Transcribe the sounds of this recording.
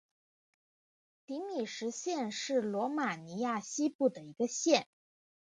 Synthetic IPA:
t̪i˧˥mi˨˩ʂɻ̩˧˥ɕjɛ˥˧nʂɻ̩˥˩lwɔ˧˥ma˨˩ni˧˥ja˥˩ɕi˥pu˥˩d̪ə˩i˧˥ɡə˧ɕjɛ˥˩n

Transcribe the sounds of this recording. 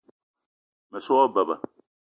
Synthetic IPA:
mɛ˨sʊ˦ɔ˦ba˨ba̰˨

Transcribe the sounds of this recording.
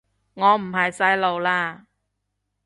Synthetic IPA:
ŋɔː˨˧m̩˨˩ɦɐ˨jsɐ˧˥jlo˨wlaː˧

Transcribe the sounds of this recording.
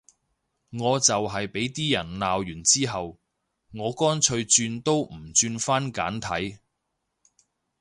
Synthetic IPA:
ŋɔː˨˧t͡sɐ˨wɦɐ˨jpe˨˥jt̪iː˥jɐ˨˩nlaː˨wjyː˨˩nt͡siː˥ɦɐ˨w | ŋɔː˨˧kɔː˥nt͡ʃʰɵ˧ɥt͡ʃyː˧nt̪o˥wm̩˨˩t͡ʃyː˧nfaː˥nka̰ː˨˥nt̪ʰɐ˨˥j

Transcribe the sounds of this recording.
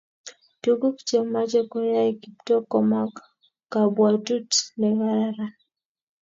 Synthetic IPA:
tu˦ɡu˦kt͡ʃe˨ma˦t͡ʃe˦kɔ˦ja˦eɡi˦p̚tɔ˦kɔ˨ma˦k | kːa˨bwa˨tu˦tnɛ˨waɾa˦ɾa˦

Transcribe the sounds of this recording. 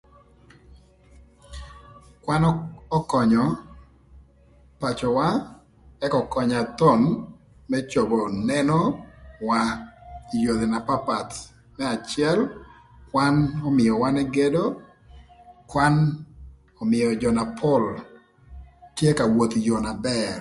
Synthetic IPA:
kwa˦nɔ˦kɔ˨ɲɔ˨ | pa˨t͡ʃɔ˨wa˦ | ɛ˦kɔ˨kɔ˨ɲa˨t̪ɔ˦n | mɛ˦t͡ʃo˨bɔ˨nɛnɔ˦wa˦i˨jo˨d̪e˨na˨pa˦pa˨t | mɛ˦a˨t͡ʃɪɛ˦l | kwa˦nɔ˦mɪ˨jɔ˨wa˦nɛ˦ɡe˦do˦ | kwa˦n | ɔ˨mɪjɔ˨d͡ʒɔ˨na˨pʰɔ˦l | tje˦ka˨wo˨t̪jɔ˨na˨bɛɾ

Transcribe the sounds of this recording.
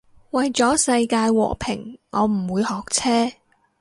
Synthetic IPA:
wɐ˨jt͡sɔː˨˥sɐ˧jkaː˧jwɔ̰ː˨˩pʰɪ̰˨˩ŋŋɔː˨˧m̩˨˩wuː˨˧jhɔː˨k̚t͡sʰɛː˥

